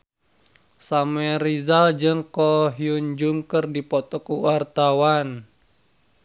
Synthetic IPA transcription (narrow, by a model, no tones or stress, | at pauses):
samɛɾizald͡ʒɨŋkɔɦiund͡ʒuŋkərdipɔt̪ɔkuwart̪awan